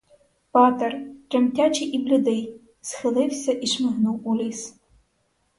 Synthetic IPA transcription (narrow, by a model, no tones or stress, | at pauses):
pɑt̪ɐrt̪ɾɛmtʲat͡ʃɪʔiblʲʊd̪ɪj | sxɪlˠɪwsʲɐʔiʃmɛɦnuwulʲis